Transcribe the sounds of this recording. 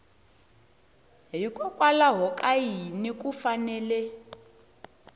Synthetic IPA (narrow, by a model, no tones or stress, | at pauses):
ɦikʼɔkʼwalaɦɔkʼajinikʼufanɛːlɛ